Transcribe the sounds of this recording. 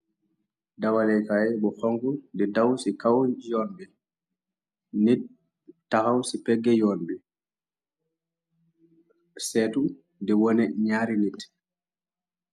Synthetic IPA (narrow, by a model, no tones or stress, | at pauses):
dawalɛjkaɛbɔhɔŋɡundɛdawsikawjɔnbɛ | nit̚ | tːahawsipɛɡːɛjɔnbɛ | sɛtu | dɛwɔnɛɲaɾinit